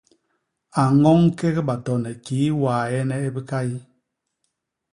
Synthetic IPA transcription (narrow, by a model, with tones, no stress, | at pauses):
a˨ŋɔ˦ŋ˦ke˦ɣe˦ɓa˨tɔ˨nɛ˨kiː˨˦waː˨jɛ˦nɛ˦e˦bi˦ka˦ji˦